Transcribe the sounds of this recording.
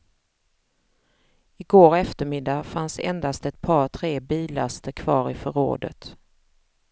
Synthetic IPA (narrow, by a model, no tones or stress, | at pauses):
ɪɡoːɾɛft̪əɾmɪd̪ːafansɛ̰nd̪ast̪ɛt̪̚pʰɑːɾt̪ʰɾeːbiːlast̪əɾkʰv̥ɑ̰ːɾɪfœɾo̰ːd̪ə̰t̪